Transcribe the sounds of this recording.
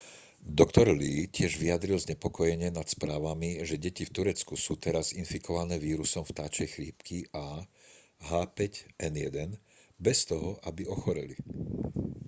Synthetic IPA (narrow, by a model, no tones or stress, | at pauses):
d̪ɔkt̪ɔɾliːcɪɛʒʋiad̪ɾilzɲɛpɔkɔjɛɲɪɛnat̪spɾaːʋamiʒɛɟɛcift̪uɾɛt͡skusuːt̪ɛɾazinfikʰɔʋanɛːʋiːɾusɔmft̪aːt͡ʃɛjxliːpkʰia | ɦaːpɛcʔɛnjɛd̪ɛn | bɛst̪ɔɦɔʔabiɔxɔɾḭli